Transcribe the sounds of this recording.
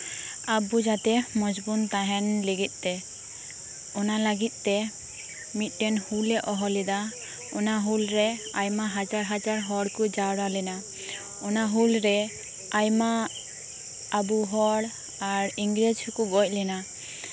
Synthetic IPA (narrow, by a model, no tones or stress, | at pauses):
abud͡ʒat̪ɛmɔd͡ʒbunt̪aɦɛnliɡit̪̚ˀt̪ɛ | ɔnalaɡit̪̚ˀt̪ɛ | mit̪̚ˀʈɛnhulɛʔɔɦɔlid̪a | ɔnaɦulɾɛ | ajmaɦad͡ʒaɾɦad͡ʒaɾɦɔɽkud͡ʒaɽalɛna | ɔnaɦulɾɛ | ajma | buɦɔɽ | aɾiŋɡɾed͡ʒhukuɡɔc̚ˀlɛna